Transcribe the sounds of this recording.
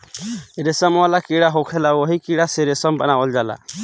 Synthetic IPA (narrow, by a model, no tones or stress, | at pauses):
ɛɾɛsɔmɔalakiɽaɦɔkʰɛlawɔɦikiɽasɛɾɛsɔmbanaɔld͡ʒala̰